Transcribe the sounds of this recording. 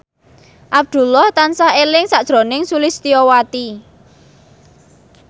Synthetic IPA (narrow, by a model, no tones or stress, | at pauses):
ʔab̚d̪̥ṳlɔht̪ansahelɪŋsaʔd̥ʒ̥ɾo̤nɪŋsulɪst̪iɔwat̪i